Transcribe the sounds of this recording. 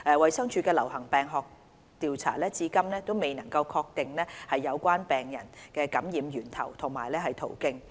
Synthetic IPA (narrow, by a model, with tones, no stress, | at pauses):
ʔɛː˨wɐ˨jsɐ˥ŋt͡ʃʰyː˧˥kɛː˧lɐ̰˨˩whɐ˨˩ŋpɛː˨ŋɦɔː˨k̚ | t̪iː˨˧wt͡sʰa̰ː˨˩lɛː˥t͡siː˧kɐ˥mnɛː˥t̪o˥wme˨jnɐ˨˩ŋkɐ˧wkʰɔː˧k̚t̪ɪ˨ŋlɛː˥hɐ˨jːɐ˨˧wkʷaː˥npɛː˨˩ŋjɐ̰˨˩nkɛː˧kɐ˨˥mjiː˨˧mjyː˨˩nt̪ʰɐ̰˨˩wt̪ʰʊ˨˩ŋmaː˨˩jlɛː˥ɦɐ˨jt̪ʰo̰˨˩wkɪ˥ŋ